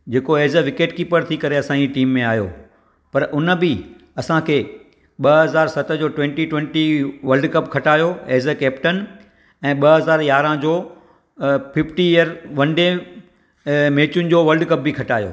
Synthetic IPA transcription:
d͡ʑeːkoeːzəʋɪkeːʈkiːpəɾt̪ʰikɐɾeɐsãːiʈiːmːẽaːɦjo̰ | pɐɾʔʊnəbɪ | ɐsãkʰeː | ɓɐɦɐzaːɾsɐt̪ə̆d͡ʑoːʈwɛ̃ːɳʈiʈwẽːɳʈiʋɐɾlɖkɐb̚kʰɐʈaːjoeːzəkɛːpʈən | ɛ̃ːɓɐɦɐzaːɾjaːɾãd͡ʑoː | pʰɪfʈiɪjəɾʋɐnɖẽ | meːt͡ɕʊnɪ̆d͡ʑoːʋɐɾɖkɐb̚bikʰɐʈaːjo̰ː

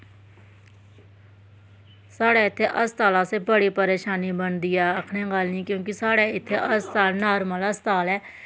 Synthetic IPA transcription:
saːɽeɪt̪ʰːeʔəst̪aːlãsebəɽipəɾeːʃaːnibənd̪iɛːəkʰnẽɡaːlnĩkjõːkisaːɽeɪt̪ʰːeʔəst̪aːlnaːɾmələst̪aːlɦɛː

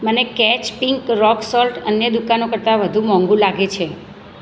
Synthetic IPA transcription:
mənekɛt͡ʃpiŋkɾɔksɔlʈənjəd̪ukanokəɾt̪aʋəd̪ʱumɔ̃ŋɡũlaɡet͡ʃʰe

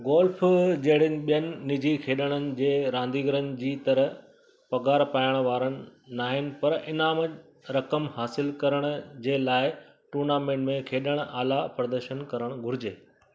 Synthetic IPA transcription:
ɡoːlfd͡ʑɐɦɪɽ̤ɪnɪ̆ɓijənɪ̆ːɪd͡ʑʱikʰeːɗəɽ̃ənɪ̆d͡ʑeːɾãːnd̪iːɡəɾənɪ̆d͡ʑiːt̪ɐɾəɦ | pɐɡaːɾpaːjəɽ̃ʋaːɾəɽ̃ɪ̆naːɦɪnɪ̆pɐɾɪnaːmə | ɾɐkəmhaːsɪlkɐɾəɽ̃ʊd͡ʑeːlaːɪ | ʈuːɾnaːmẽːɳʈmẽkʰeːɗəɽ̃aːlapɐɾd̪əɾʃənkɐɾəɽ̃ɡʱʊɾɪd͡ʑeː

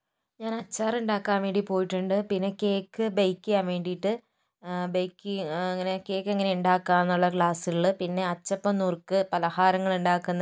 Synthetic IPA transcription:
ɲaːnɐt͡ɕːaːruɳɖaːkːaːnʋe̞ːɳɖipo̞ːjiʈːuɳɖɨpinːe̞ke̞ːkːɨbɐjkːijaːmʋe̞ːɳɖijiʈːɨ | bɐjkːɨɐŋːɐne̞ke̞ːkːeŋːɐne̞uɳɖaːkːaːenːuɭːɐkɭaːsiɣɐɭɨpinːe̞ɐt͡ɕːɐpːɐmnuːrkɨpɐlɐhaːɾɐŋːɐɭuɳɖaːkːunːɐ

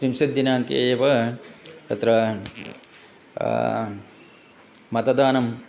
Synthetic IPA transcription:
kɾimsɐd̪ːinaːŋkḛːpɐ | t̪ɐt̪ɾɐ | mɐt̪ɐd̪aːnɐm

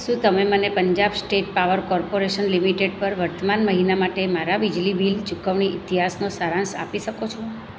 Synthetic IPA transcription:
ʃũt̪əmemənepəɲd͡ʒabsʈeʈ̚paʋəɾkɔɾpoɾeʃənlimiʈeɖpəɾʋəɾt̪əmanməɦinamaʈemaɾaʋid͡ʒlibilt͡ʃukəʋɳiɪt̪iɦasnosaɾãnsa̰piʃəkot͡ʃʰo

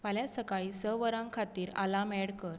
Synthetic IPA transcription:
paljasəkaɭisəʋəɾãŋkʰat̪iːɾa̰lamɛɽkəɾ

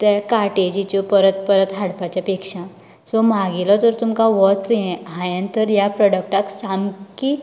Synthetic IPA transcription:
t̪ɛkaɾʈed͡ʑit͡ɕɔpəɾət̪pəɾət̪ɦaɽpat͡ɕjapekʂã | sɔmaɡilɔt̪əɾt̪umkaʋɔt͡s̪jɛ̃ɦãjə̃nt̪əɾjapɾɔɽək̚ʈaksamki

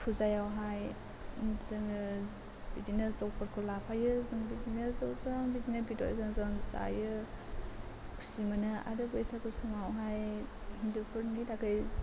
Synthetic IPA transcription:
pʰuzajawɦaj | zɯŋ | b̥idinɯzɔwpʰɯɾkʰɯlapʰajɯzɯŋbidinɯzɯwzɯŋbidinɯbitɔ̰jzɯŋzɯŋza̰jɯ | kʰu̥simɯnɯa̰ɾɯbɯjsakɯsuŋawɦaj | hindupʰɯɾnitakɯj

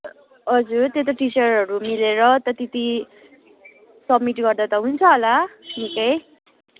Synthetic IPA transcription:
ɦʌd͡zuɾt̪et̪ʌʈit͡sʌɾɦʌɾumileɾʌt̪ʌt̪it̪i | sʌbmiʈɡʌrd̪at̪ʌɦunt͡sʰʌːlanikʌj

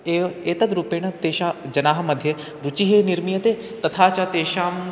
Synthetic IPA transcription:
eeːt̪ɐd̪ɾuːpeːɽ̃ɐt̪eːʃaːd͡ʒɐnaːɦɐ̆mɐd̪ʱːjɐ | ɾut͡ʃiɦeːniɾmijɐt̪eː | t̪ɐt̪ʰaːt͡ʃat̪eːʃaːm

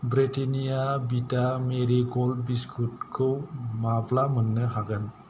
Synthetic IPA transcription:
bɾeʈenijabiʈameɾiɡolbiskʰuʈkʰomaplamənːəɦaɡən

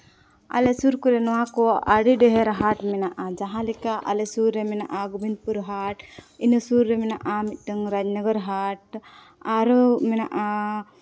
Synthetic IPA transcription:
a̰lesuɾkuɾɛnɔwãkɔaɽiɖɛɦɛɾɦaʈmɛnaʔad͡ʒaɦãlikaʔa̰lesuɾːeminaʔaɡubʱind̪̚puɾɦaʈinəsuɾːeminaʔamit̪̚ˀʈəŋɾad͡ʒnəɡəɾɦaʈ | aɾmɛnaʔa

